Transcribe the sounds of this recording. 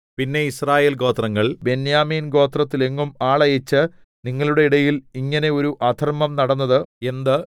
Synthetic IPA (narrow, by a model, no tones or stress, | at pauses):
pinːe̞israːje̞ːlɡo̞ːt̪rɐŋːɐɭbe̞njaːmiːnɡo̞ːt̪rɐt̪ːile̞ŋːumaːɭɐjet͡ɕːɨ | niŋːɐɭuɽe̞iɽɐjiliŋːɐne̞o̞ɾuʔɐd̪ʱɐrmɐmnɐɽɐnːɐðɨe̞nd̪ɨ